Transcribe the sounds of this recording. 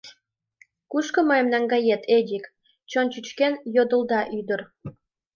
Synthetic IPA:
kuʃkɤ̆məjemnɑŋɡɑjet̪ʰed̪ʲik | t͡ɕont͡ɕyt͡ɕkenjod̪ə̆ld̪ɑʔyd̪ər

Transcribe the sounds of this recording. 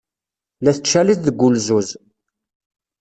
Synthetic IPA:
læθət͡ʃːæliθðəɡʷːulzuz

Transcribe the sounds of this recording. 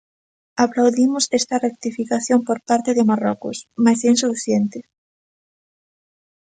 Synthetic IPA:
aplawðimʊsɛst̪ɐrek̚t̪ifikaθjompoɾpaɾt̪eðɪmarɔkʊ̰smajsensufiθjent̪ɪ

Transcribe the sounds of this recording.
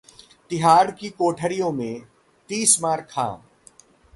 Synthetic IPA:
t̪ɪɦaːɾkikoːʈʰəɾijõmẽ | t̪iːsmaːɾkʰã̰ː

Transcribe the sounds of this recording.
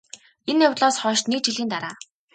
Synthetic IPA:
enjʊw̪ɮɔːsχɔːʃt̪nek̚t͡ɕiɮiːnt̪aɾaː

